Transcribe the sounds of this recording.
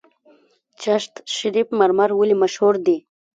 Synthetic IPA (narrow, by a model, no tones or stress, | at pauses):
t͡ʃaʃt̪ʃɪɾipmaɾmaɾwəlimaʃhuɾd̪i